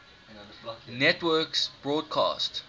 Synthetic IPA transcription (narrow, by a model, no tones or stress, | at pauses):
nɛtwɜksb̥ɹɔːd̚kʰɑ̰ːst